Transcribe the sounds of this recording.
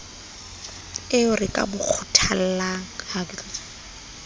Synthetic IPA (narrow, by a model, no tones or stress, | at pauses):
ɪʊrɪkʼa̰bʊk͡xʰʊtʰal̩laŋ̩aɡ